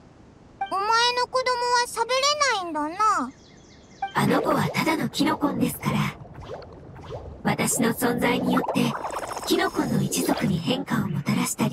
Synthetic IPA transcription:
omaeno̞ko̞d̪o̞moβaɕabeɾenaĩnd̪ana | ano̞ko̞βat̪ad̪ano̞kʲino̞kõ̞nd̪e̞sɨ̥kaɾa | βat̪aɕinosõ̞nd͡zaiɲ̟ijo̞t̪ːe̞kʲino̞kõ̞nːo̞it͡ɕizo̞kɯ̟ɲ̟ihẽ̞ŋkaomo̞t̪aɾaɕi̥t̪aɾʲi

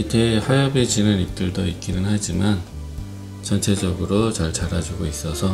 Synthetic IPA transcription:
itʰehajabid͡ʑinɯnip̚t͈ɯɭdoik͈inɯnɦad͡ʑiman | t͡ɕʌnt͡ɕʰe̞d͡ʑʌɡɯɾot͡ɕaɭt͡ɕaɾad͡ʑuɡois͈ʌsʰʌ

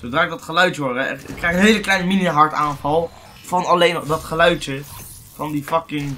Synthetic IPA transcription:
sowdraːɪɡ̚dɑtχəlœɥtəʋɔɹɛɪkːrɛjχənɦejləklɛjnəminiɦɑɹtaːnvɑlˠ | v̥ɑnɑlejnɔχdɑtχəlœɥtə | vɑndifɑkɪŋ

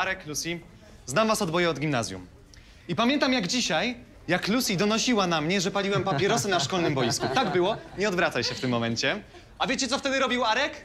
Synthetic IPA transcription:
aɾɛklusʲi | znamvasɔd̪bɔjɛɔd̪ɡʲimnazʲjṵm | ipamʲjɛnt̪amjaɡd͡ʑiɕaj | jaklusʲid̪ɔnɔɕiwanamɲɛʐɛpalʲiwɛmpapʲjɛɾɔsɘnaʂkɔlnɘmbɔjiskut̪aɡbɘwɔɲɛɔd̪vɾat̪ajɕɛft̪ɘmːɔmɛɲt͡ɕɛ | avʲjet͡ɕɛt̪ɔft̪ɛd̪ɘɾɔbʲiwaɾɛk

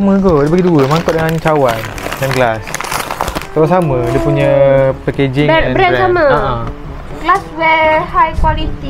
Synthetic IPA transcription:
amə̃ɡodibaɡiduəmãŋkɔʔ̪̚dəŋaɲət͡ʃawan | danɡlas | t̪awasamə̃diəpuɲə̃pɛked͡ʒɪŋɛbəɾɛɾsamãaʔã | ɡ̥laswɛhajkwalit̪i

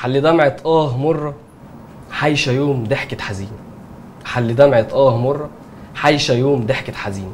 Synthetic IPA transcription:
ħalːid̪æmʕet̪ˤʔæːhmorˤːɑ | ħajʃæjoːmd̪eħket̪ħaziːnæ | ħalːid̪æmʕet̪ˤʔæːhmorˤːɑ | ħajʃæjoːmd̪eħket̪ħaziːnæ

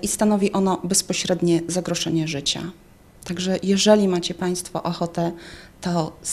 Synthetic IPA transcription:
ʔist̪anɔvʲiʔɔnɔbɛspɔɕɾɛd̪ɲɛzaɡɾɔʂɛɲɛʐɘt͡ɕa̰ | t̪aɡʐɛjɛʐɛlʲimat͡ɕɛpaj̃st̪fɔ̰ʔɔxɔt̪ɛt̪ɔ

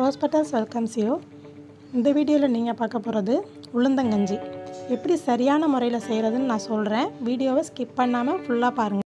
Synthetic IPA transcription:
ɦoːspɪʈːɐlsʋɛlkɐmsɪjoː | ɪnd̪ɐʋiːɽɪjoːlɐniːŋɡɐpaːɾkɐpːoːɾɐðɯ | ʊɭɐnd̪ɐŋɡɐɲd͡ʒiɛpːɐɽisɐɾɪjaːnɐmʊɾɐjɪlɐsɛjɾɐðɯnːɯnãːsɔlɾẽːʋiːɽɪjoːʋeskɪppɐɳːaːmɐfʊɭːaːpaːɾɯŋɡɐ

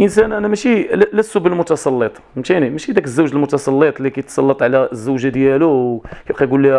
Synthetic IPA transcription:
ʔənsænʔænæmæʃilæsːubəlmʊt̪ɑsˤɑlːit̪ˤ | mʃinimæʃid̪ækəzːæwʒəlmʊt̪ɑsˤɑlːit̪ˤlikæjt̪sˤɑlːət̪ˤʕlæzːəwʒad̪jælukæbqæjɡulːi

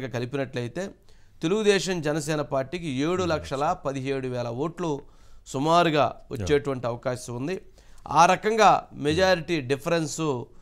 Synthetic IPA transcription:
ɡɐkɐlipinɐʈlɐjit̪e̞ː | t̪eluɡud̪ɛːʃɐmd͡ʒɛnɐsɛːnɐpaːɾʈːiːkieːɽulɐkʂɐlɐpɐd̪iɦeːɽuʋɛːlɐoːʈlu | sumaːɾuɡaːʔɐ̰t͡ʃːeːʈuʋɐɳʈiɐʋɐkaːʃɐmund̪i | a̰ːɾɐkɐŋɡaːmɛd͡ʒaːɾiʈiɖipʰɐɾensu

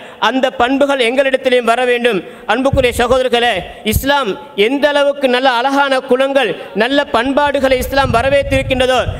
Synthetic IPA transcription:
ɐnd̪ɐpːɐɳbɯɣɐɭɛŋɡɐɭɪɽɐt̪ːɪljɯmʋɐɾɐʋeːɳɖɯm | ɐɳbɯkːɯɾɐjɐsɐɣoːðɐɾɣɐɭeː | ɪslaːm | ɛnd̪ɐlɐʋɯkːɯnɐlːɐːlɐɣaːnɐkʊɻɐŋɡɐɭnɐlːɐpɐɳbaːɽɯɣɐɭɐɪɪslaːmʋɐɾɐʋeːt̪ːɪɾɯkːɪɳdrɐðoː

